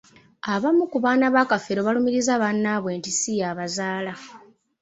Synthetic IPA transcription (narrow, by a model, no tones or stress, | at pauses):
aβamukuβaːnaβakafeɾo̞βalumiɾizaβanːaβweːntisijaːβazaːla